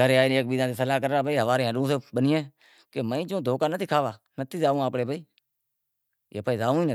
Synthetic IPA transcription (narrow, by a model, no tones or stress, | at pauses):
əɾeaːiːneːk̚ɓiːd̪ãːseːsəlaːkəɾːaːbʱaiːɦəʋaːɾẽːɦəɗũːs̬eːɓənɪjẽː | keːməĩːd͡ʒõːd̪ʱoːkaːnət̪ʰiːkʰaːʋaː | nət̪ʰiːzaːʋũːaːpɽeːbʱaiː | jḛːpəiːzaːũːiːnə